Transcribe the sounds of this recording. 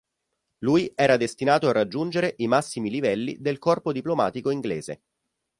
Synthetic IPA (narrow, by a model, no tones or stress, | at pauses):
lujɛːɾad̪est̪inaːt̪oarːad͡ʒːund͡ʒeɾeʔimasːimilivɛlːḭd̪elkɔrpod̪iploma̰ːt̪ikoiŋɡleːzḛ